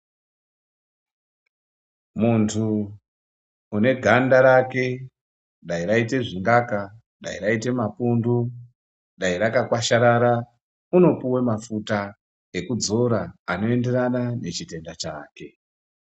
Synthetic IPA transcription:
muntʰu | ne̞ɡʱandaɾake̞ | ɗaiɾaite̞ʐiŋɡaka | ɗaiɾaite̞mapundu | ɗaiɾakakwaʃaɾaɾa | uno̞puwe̞mafuta | e̞kud͡zo̞ɾaano̞e̞nde̞ɾanane̞t͡ʃite̞ndat͡ʃa̰ːke̞

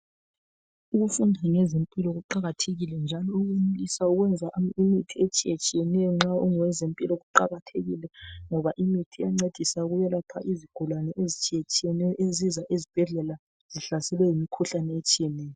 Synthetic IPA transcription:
uɣufundʱaŋɛzempʼilɔɣuǃaɣatʰeɣilɛnd͡ʒʱalɔuɣunulisauɣwɛnd͡zʱaʔimitʰiet͡ʃʼiet͡ʃʼijɛnɛjɔŋ͡ǁauŋɔwɛzempʼilɔɣuǃaɣatʰeɣḭlɛŋɔβaʔimitʰijaŋ͡ǀed̥ʱisaɣujɛlapʰa̰ʔiziɡ̥ʱulwanɛʔezit͡ʃʼijet͡ʃʼijɛnɛɔʔezizaʔezib̥ʱɛɮɛla | z̥iɬasɛlwɛjimikʰuɬanɛet͡ʃʼijɛnɛːjɔ

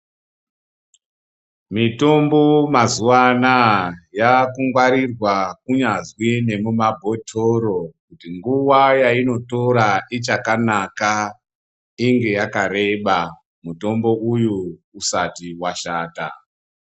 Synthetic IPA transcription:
mito̞mbomazuwanajakuŋɡwaɾirwakuɲazwine̞mumabʱo̞tʰoɾo̞kutiŋɡuʋajaino̞to̞ɾait͡ʃakanaka | iŋɡe̞jakaɾe̞ɓa | muto̞mbo̞ujuːsatiwaʃaːta̰

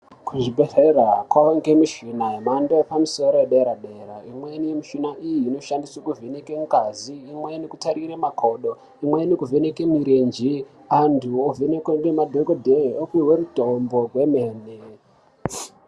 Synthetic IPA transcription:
kuʐibʱererakwaʋoŋɡemiʃinaemandopamiso̞ɾo̞jeɗeɾaɗe̞ɾaimwe̞nijemiʃinaʔijiːno̞ʃandiswakuvʱenekeŋɡaziːmwe̞nekutaɾiɾemakʰo̞ɗo | imwenikuvenekemiɾend͡ʒi | antʰuovʱenekweŋɡemadʱokodʱeokiweɾutombo̞ɡwe̞meːne

